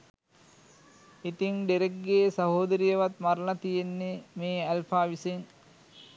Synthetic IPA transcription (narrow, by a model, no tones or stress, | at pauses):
it̪iŋɖeɾeɡːeːsɐɦoːd̪ɐɾijɐʋɐt̪mɐɾlɐt̪ijenːemeːɐlpaːʋiseŋ